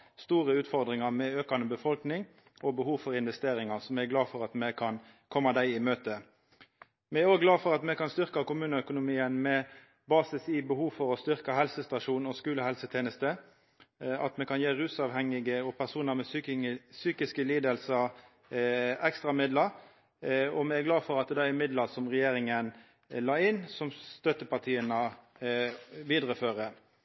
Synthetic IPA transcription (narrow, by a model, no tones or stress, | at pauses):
st̪uːʁəʉːt̪fɔʁd̪ʁɪŋɑʁmɛøːkɑnəbəfɔlknɪŋ | ʔɔbəhuːʋfɔɾɪnʋɛst̪eːɾɪŋɑsɔmɛɛɡlɑːfɔʁɑt̪mɛkʰɑn | kʰɔmːɑd̪æɪɪmøːt̪ə | mɛæɾoːɡlɑːfɔʁɑt̪mɛkʰɑnst̪ʏʁkɑkʊmʉːnəœkʊnʊmiːənmɛ | bɑːsɪsiːbəhuːfɔɾɔst̪ʏʁkɑɦɛlsəst̪ɑʂuːnɔskʉːləhɛlsət̪ʰeːnəst̪ə | ɑ̰t̪mɛkʰɑnjeːʁʉːsɑʋhɛŋɪɡəɔpʰæʁsuːnəmɛssyːkɪskəliːd̪əlsə | ɛkst̪ɾɑmɪd̪ləɾ | ɔmɛæɡlɑːfɔʁɑt̪̚d̪ɛd̪ɑɛmɪd̪ləʁsɔmʁɛjeːɾɪŋən | lɑːɪnːsɔmst̪œt̪əpɑt̪ʰiːənə | ʋiːd̪ɾəføːʁə